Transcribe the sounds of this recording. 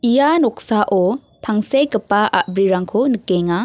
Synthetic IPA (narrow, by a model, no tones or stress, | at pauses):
ijanɔk̚saʔɔ | tʰaŋsejkɯpːaʔa̰bɾiɾaŋkʰonɯkeŋa